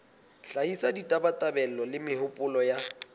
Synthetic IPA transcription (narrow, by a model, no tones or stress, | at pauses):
ɬaisaditʼabatʼabɛlɔlɪmɪhʊpʼʊlɔja